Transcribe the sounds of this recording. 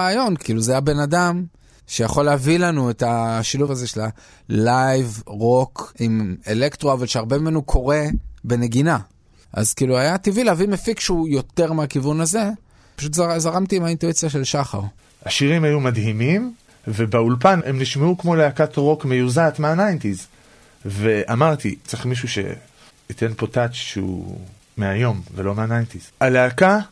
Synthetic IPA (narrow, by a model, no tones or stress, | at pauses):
aːjo̞nkiːluzajabe̞nadam | ʃe̞jaχo̞leavilanuetaʃiluvazeʃela | lajvʁo̞kimele̞kt̪ʁoavalʃeaʁbemimenukʰo̞ʁe̞be̞ne̞ɡina | ʔa̰zkiːluajat̪ivileavimefikʃeujo̞t̪e̞ʁmeakivunaze̞ | pḁʃut̬zazaʁamt̪iimhaintuit͡sjaʃe̞lʃaχa̰ʁ | aʃiʁimajumadɦimim | vebeulpanemniʃmeukmo̞leakat̪ʁo̞kmejuzat̪meanajntiz | veʔamaʁt̪it͡seχmiʃ̬uʃe̞̰ | it̪e̞npo̞tat͡ʃʃḛṵ | meajo̞mvelomeanajnt̪izaleaka